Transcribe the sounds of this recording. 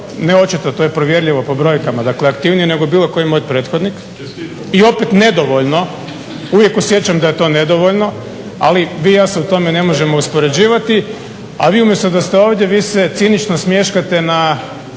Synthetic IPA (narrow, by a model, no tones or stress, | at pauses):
neo̞t͡ʃit̪at̪oje̞pɾoʋje̞ɾʎʲiʋo̞po̞bɾo̞jkamad̪akleakt̪iʋnijene̞ɡo̞biːlˠo̞ko̞jimoj̪pɾe̞ːt̪xo̞d̪nik | io̞pet̪ne̞d̪o̞ʋoʎno̞ | uʋje̞kusje̞t͡ɕamd̪aje̞t̪o̞ːne̞d̪o̞ʋoʎno̞ | aliʋiːjaːseut̪o̞mene̞mo̞ʒe̞mo̞uspo̞ɾe̞d͡ʑiːʋat̪i | a̰ʋiːumjest̪od̪ast̪eo̞ːʋd̪je̞ʋiːset̪sinit͡ʃnosmje̞ʃkat̪e̞na